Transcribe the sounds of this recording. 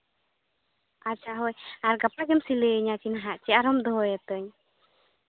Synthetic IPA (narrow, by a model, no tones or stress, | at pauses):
at͡ʃaɦɔjaɾɡapaɡɛmsiləɲat͡ʃinaɦaʔt͡ʃɛaɾɔmd̪ɔɦɔjɛt̪əɲ